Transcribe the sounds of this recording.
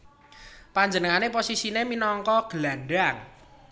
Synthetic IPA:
paɲd͡ʒənəŋaneposisineminɔŋkɔɡ̥əlaɳɖaŋ

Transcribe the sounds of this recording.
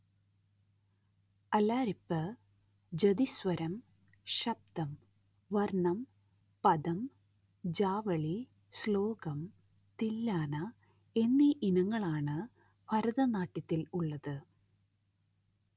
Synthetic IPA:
ɐlaːɾipːɨ | d͡ʑɐd̪isʋɐɾɐm | ɕɐb̚t̪ɐm | ʋɐrɳɐm | pɐðɐm | d͡ʑaːʋɐɭi | sloːɡɐm | t̪ilːaːnɐ | e̞nːiʔinɐŋːɐɭaːɳɨ | pʰɐɾɐðɐnaːʈːit̪ːiluɭːɐðɨ

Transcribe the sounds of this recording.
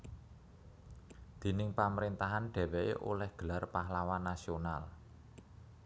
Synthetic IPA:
d̪̥e̤nɪŋpaməɾint̪aɦanɖ̥ɛ̤wɛʔḛʔolɛhɡ̥ə̤larpaɦlawanːasional

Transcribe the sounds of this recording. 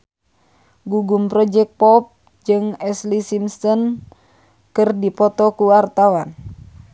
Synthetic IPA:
ɡuɡumpɾɔd͡ʒɛk̚pɔp̚ | d͡ʒɨŋɛslisimsɔn | kɨrdipɔt̪ɔkuwart̪awan

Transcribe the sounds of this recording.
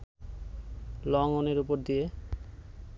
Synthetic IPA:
lɔŋoneɾupoɾd̪ije

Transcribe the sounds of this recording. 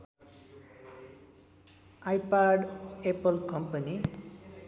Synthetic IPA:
ajpaɖepʌlkʌmpʌni

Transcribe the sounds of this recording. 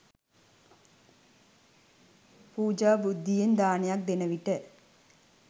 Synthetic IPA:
puːd͡ʒaːbud̪ʱːijend̪aːnejak̚d̪enəʋiʈə

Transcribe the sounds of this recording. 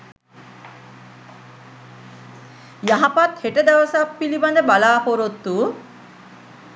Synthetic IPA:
jaɦɐpat̪heʈəd̪aʋəsapːiliband̪ɐbalaːpoɾot̪ːuː

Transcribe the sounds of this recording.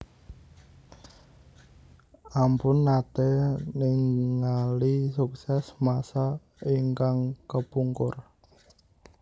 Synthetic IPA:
ʔampʊnːat̪ɛnɪŋːalisuksɛsmasa | iŋkaŋkəpuŋkʊr

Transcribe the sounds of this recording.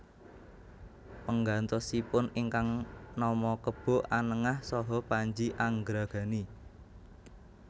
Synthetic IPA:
pəŋɡant̪ɔsipʊniŋkaŋnɔmɔkəb̥ɔ̤ʔanəŋahsɔɦɔpaɲd͡ʒiʔaŋɡɾaɡ̥a̤ni

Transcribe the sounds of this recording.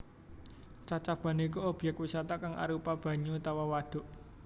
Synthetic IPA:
t͡ʃat͡ʃab̥a̤nekuob̥jɛkwisat̪akaŋa̰ɾupab̥ä̤ɲut̪awawaɖ̪̥ʊ̤ʔ

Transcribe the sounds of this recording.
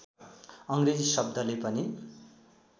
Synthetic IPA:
ʌŋred͡zisʌb̚d̪ʱʌlepʌni

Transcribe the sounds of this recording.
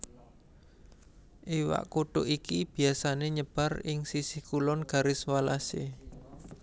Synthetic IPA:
ʔiwa̰ʔkoɖ̥oʔikib̥i̤asaneɲəb̥a̤rɪŋsisɪhkulɔnɡ̥a̤ɾɪswalasḛ

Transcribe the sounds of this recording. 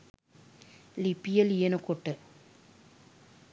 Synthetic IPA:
lipːijɐlijɐnɐkoʈːɨ

